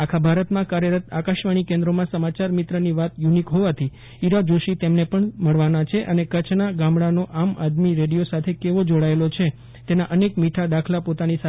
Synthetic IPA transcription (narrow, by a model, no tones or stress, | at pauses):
akʰabʱaɾət̪mãkaɾjəɾət̪akaʃʋaɽ̃ikẽnd̪ɾomãsəmat͡ʃaɾmit̪ɾəniʋat̪junikɦoʋat̪ʰi | iɾad͡ʒoʃit̪emnepəɳməɭʋanat͡ʃʰeʔənekət͡ʃnaɡamɽanoʔamad̪miɾeɽijosat̪ʰekeʋod͡ʒoɽaelot͡ʃʰe | t̪enaʔənekmiʈʰad̪akʰlapot̪anisa